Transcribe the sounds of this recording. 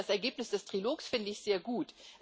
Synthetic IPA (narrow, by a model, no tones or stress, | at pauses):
asɛɐɡeːpnɪsd̥ɛstʁ̥iloːksfɪndəɪçz̥eːɐɡuːt